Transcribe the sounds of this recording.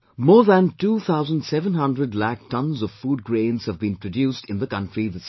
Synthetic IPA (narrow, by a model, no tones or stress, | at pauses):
mɔːɹðæ̃ntuːt̪ʰaʊzə̃ndsɛvə̃nɦʌ̃ndɹəɖlæk̚tʰʌ̃nzɔv̥fuːd̚ɡɹẽɪ̃nz̥həvbĩnpɹədjuːstɪ̃nðəkʌ̃ntɹiðəs